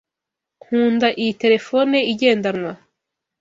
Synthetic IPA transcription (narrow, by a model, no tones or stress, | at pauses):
kuːndaʔijite̞ɾe̞fo̞neiɟe̞ːndanwa